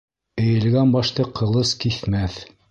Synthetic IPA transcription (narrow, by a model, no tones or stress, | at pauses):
ɘ̆jɘ̆lɡænbɑʃt̪ɤqʰɤ̆lˠɤskiθmæθ